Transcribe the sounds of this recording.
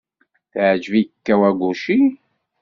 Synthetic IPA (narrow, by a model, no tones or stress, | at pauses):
θʕd͡ʒviəkːæwæɡʷuʃi